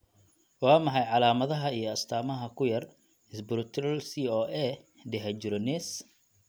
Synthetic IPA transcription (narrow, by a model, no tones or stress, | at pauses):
wɑːmɐħɑjʕɑlaːmɐðɐɦɐijɞɐst̪ʰaːmɐɦɐkʰʊjɐr | ɪsbɪɾʊt̪ʰɾɐlsiːɔːʔɛ | d̪ɛɦɐd͡ʒɪɾɔnɛs